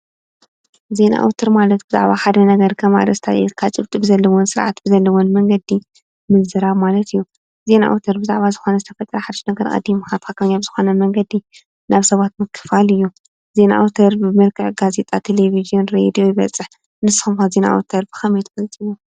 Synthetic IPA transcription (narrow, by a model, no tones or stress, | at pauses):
ze̞na̰ʔa̰wt̪ʰɐɾmalɐt̪bɨza̰ʕβaħad̪ɐnɐɡɐɾkʰɐma̰ɾɐst̪ʰa̰ʔḭt̪kʰat͡ʃʼɨβt̪ʼɨbɨzɐlːɐwonsɨɾʕa̰t̪b̥ɨzɐlːɐwonmɐŋɡɐd̪i | mɨzzɨɾaβmalɐt̪ʰɨjːu | ze̞na̰ʔa̰wt̪ʰːɐɾbɨzaʕβazɨxo̞nɐzɨt̪ʰɐfɐt̪ʼɾɐħad̪ɨʃnɐɡɐɾkʼɐ̰d̪ːimɨxat̪kʰakʰɐɲaβz̥ɨxo̞nɐmɐŋɡɐd̪i | naβsɐβat̪mɨkʰːɨ̥falɨjːu | ze̞na̰ʔwt̪ʰɐɾbɨmɐlkʰɨʕɡaze̞t̪ʼat̪ʰelevizijonɾed̪ijo̞jiβɐt͡sʼːɨħ | nɨsɨ̥xɨmkazena̰ʔwt̪ʰɐɾbɨxɐmjɛt̪ʰfɐlt͡sʼiwu